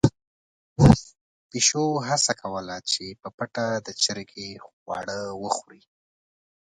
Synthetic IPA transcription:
piʃoɦasakʰawəlat͡ʃepəpəʈad̪ət͡ʃəɾkewɑ̰ɽəwəxɾi

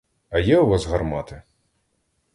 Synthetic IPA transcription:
ɐjɛʊʋazɣɐrmɑt̪ɪ

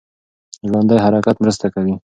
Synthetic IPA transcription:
ʒɽand̪ajɦaɾakat̪mɾəst̪akawi

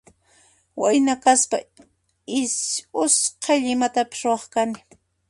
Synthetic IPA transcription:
wajnakaspa | ɪʊsqʰɑjʎɪmat̪apɪ̥sɾʊwɑχkanɪ

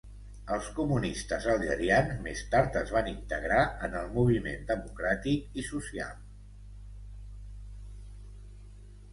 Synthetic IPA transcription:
əlˠskumunist̪əzəlˠʒə̰ɾianzmḛst̪aɾt̪əzβanint̪əɣɾaənəlˠmuβ̞imḛnd̪əmukɾat̪ikisusia̰lˠ

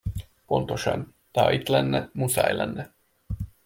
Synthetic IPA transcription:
po̞nt̪oʃɑn | t̪ɑɑ̰it̪lɛnːɛmusɑ̰jlɛnːɛ

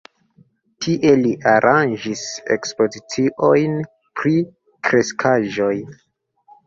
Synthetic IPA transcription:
tʰiʔe̞liʔaɾʔand͡ʒise̞̰kspo̞zit͡siʔo̞jn | pɾi | kɾe̞skʰaʒo̞j

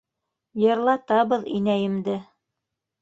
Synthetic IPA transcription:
jɤ̆ɾlˠɑt̪ɑβɤðḭnæjɘ̆md̪ɘ

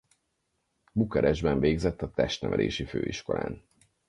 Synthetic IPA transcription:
bukɛɾʔɛʒbɛɱveːɡzɛt̪ːɒt̪ɛʃt̪nɛvɛ̰lḛːʃiføːiʃko̞la̰ːn

